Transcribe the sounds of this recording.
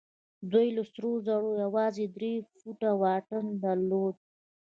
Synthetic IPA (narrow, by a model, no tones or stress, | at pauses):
d̪ojlasɾozaɽojawɑzed̪ɾefuʈawɑʈənd̪aɾlod̪̚